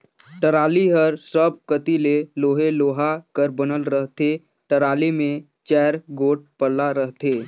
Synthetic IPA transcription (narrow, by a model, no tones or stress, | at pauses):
ʈəɾaːliɦəɾsəb̚kət̪ileloːɦeloːɦakəɾbənəlɾəɦt̪e | ʈəɾaːlimẽ | t͡ʃɛːɾɡoːʈ̚pəɾlaɾəɦt̪eː